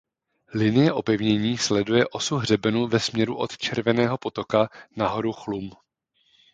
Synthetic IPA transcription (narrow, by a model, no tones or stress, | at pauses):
lɪnɪjɛʔo̞pɛvɲɛɲiːslɛdujɛʔo̞suɦr̝ɛbɛnuvɛsmɲɛɾuʔo̞t̪t͡ʃɛɾvɛnɛːɦo̞po̞t̪o̞kanaɦo̞ɾuxlum